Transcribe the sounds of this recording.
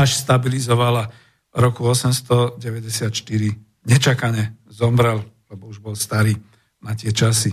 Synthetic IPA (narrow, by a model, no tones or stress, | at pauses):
aʃst̪abilizɔʋala | ɾɔkuɔsɛmst̪ɔɟɛʋɛɟɛsɪat̪ʃt̪iɾi | ɲɛt͡ʃakaɲɛzɔmbɾɛllɛbɔuʒbɔlst̪aɾiː | nat̪ɪɛt͡ʃasi